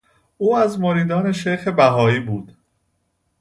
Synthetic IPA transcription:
uːæzmoɾiːd̪ɒːne̞ʃejxe̞bæɦɒːiːbuːd̪̥

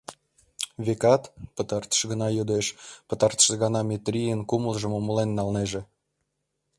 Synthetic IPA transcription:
βekɑt̪pət̪ɑrt̪ə̥ʃɣənɑjod̪eʃpə̆t̪ɑrt̪ə̥ʃəɣɑnɑmʲet̪ɾʲijənkuməlʒə̆momulenːɑlneʒe

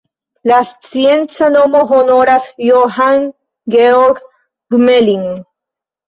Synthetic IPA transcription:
last͡sjent͡sanomoɦonoɾasjoɦaŋ | ɡeoɾɡ | ɡmeliŋ

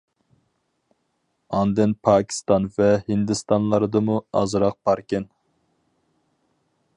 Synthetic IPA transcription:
ɑnd̪ɨnpʰɑːkʲʰi̥st̪ɑnvɛhind̪ɨst̪ɑnlˠɑɾɨd̪ɨmuɑ̰zɾɑq̚bɑɾkʲɛn

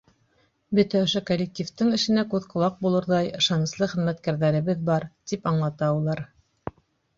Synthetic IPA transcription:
bɵt̪æŏʃokolʲːek̚tʲift̪ɤŋɘ̆ʃɘ̆nækʉðqŏlˠɑq̚bulˠɤ̆ɾðɑjɤ̆ʃɑnɤ̆slˠɤχɘ̆ðmæt̪kæɾðæɾɘ̆βɘðbɑɾt̪ipɑɴlˠɑt̪ɑulˠɑɾ

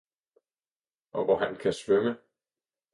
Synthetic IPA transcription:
ʔɒ̽ʋɒɦænkʰæsʋœmə

